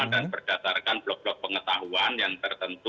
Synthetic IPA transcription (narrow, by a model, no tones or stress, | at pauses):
adanbərd̥asarkanblɔk̚b̥lɔk̚pəŋət̪aɦuanjaŋt̪ərt̪ənt̪u